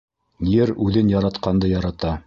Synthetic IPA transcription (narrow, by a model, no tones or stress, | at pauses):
jɘɾʉðɘnjɑɾɑt̪qɑnd̪ɤjɑɾɑt̪ɑ